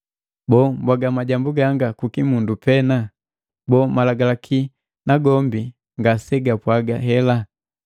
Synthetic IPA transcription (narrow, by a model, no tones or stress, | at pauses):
bɔːmbwaɡamaɟambuɡaŋɡakukimundupɛna | bɔːmalaɡalakʰi | naɡɔmbi | ŋɡasɛɡapwaɡa̰ɦɛla